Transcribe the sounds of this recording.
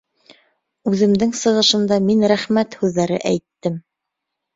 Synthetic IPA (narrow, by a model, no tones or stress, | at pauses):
ʉðɘ̆md̪ɘŋsɤ̆ʁɤ̆ʃɤ̆nd̪ɑminɾæχmæt̪hʉðːæɾɘ̰ʔæjt̪ːɘm